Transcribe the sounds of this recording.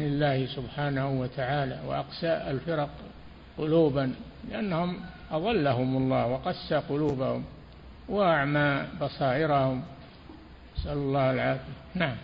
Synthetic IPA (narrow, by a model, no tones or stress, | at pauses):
nɪlːaːhɪsʊbħaːnahʊwat̪ʰaʕaːlawɪ̰ʔaqsaʔalfɪɾɑq | qʊluːban | lɪʔanːahʊmʔɑðˤɑlːaɦʊmɑlˤːɑːhwɪqɑsːaqʊluːbahʊ̰m | waʔaʕmaːbɑsˤɑːʔɪɾahʊm | asʔalʊlˤːɑːhalʕaːfɪjanaʕam